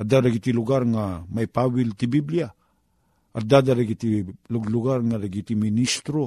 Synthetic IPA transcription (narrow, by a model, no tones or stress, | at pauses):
adaɾaɡitiluɡaɾŋamajpawiltibiblia | adadaɾaɡitiluɡluɡaɾŋaɾaɡitiministɾo